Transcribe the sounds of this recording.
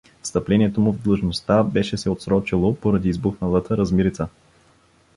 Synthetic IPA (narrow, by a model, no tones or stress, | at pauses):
fst̪ɐplɛniɛt̪omʊvd̪lˠɤʒnost̪abɛʃɛsɛot̪sɾɔt͡ʃilˠopoɾɐd̪iːzbuxnəlˠət̪əɾɐzmiɾit̪sə